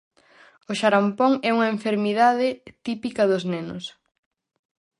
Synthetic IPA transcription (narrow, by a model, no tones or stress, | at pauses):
ʊʃaɾampoŋɛuŋɐeɱfeɾmiðaðɪt̪ipikɐðʊznenʊ̰s